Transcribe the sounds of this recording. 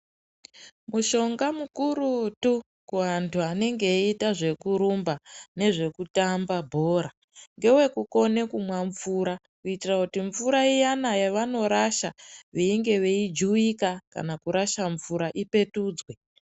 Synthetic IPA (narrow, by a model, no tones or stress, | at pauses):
muʃo̞ŋɡamukuɾutu | kuɦantʰuane̞ŋɡeitaʐe̞kuɾumbane̞ʐe̞kutambabʱo̞ːɾa | ŋɡe̞we̞kuko̞ne̞kumwaɱvuɾa | kuitirakutiɱfuɾaijanajeʋano̞ɾaʃaʋeiŋɡe̞ʋe̞id͡ʒuikaka̰nakuɾaʃaɱvuɾaʔipe̞tuːd͡zwe̞